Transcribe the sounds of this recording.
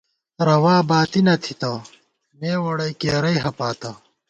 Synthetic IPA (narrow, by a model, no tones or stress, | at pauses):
ɾɐwaːbaːt̪inɐt̪ʰit̪ɐ | meːwɐɽɐjkeːɾɐjɦɐpaːt̪ɐ